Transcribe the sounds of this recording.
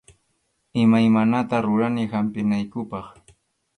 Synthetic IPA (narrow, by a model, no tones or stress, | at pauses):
ɪmajmanat̪aɾʊɾanɪhampɪnajkʊpɑχ